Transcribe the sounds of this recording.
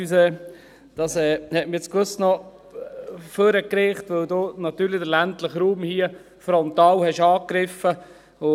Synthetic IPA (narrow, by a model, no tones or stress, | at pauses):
ysɛː | d̥ɑsɛːhɛtmɪet͡skʋøsnɔ | føɾəkɾeːχtʋɵwdoːnɑt̪yːɾlɪdəɾlæntləχɾuːmhiə | fɾɔnt̪ɑːlhɛʃɑːkɾɪfə | ʊ